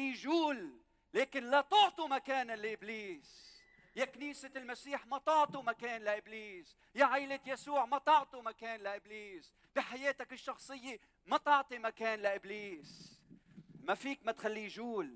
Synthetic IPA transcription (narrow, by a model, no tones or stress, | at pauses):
iʒuːl | leːkɪnlat̪ʊʕt̪ˤimakeːnanlɪʔɪbliːs | jakniːselmasiːħmat̪ʊʕt̪ˤumakeːnlaʔɪbliːs | jaʕajlɪt̪jasuːʕmat̪ɑʕt̪ˤumakeːnlaʔɪbliːs | b̥iħajeːt̪akɪʃːɑxsˤɨjːɪ | mat̪ɑʕt̪ˤimakeːnlaʔɪbliːs | mafiːkmat̪xalːijʒuːl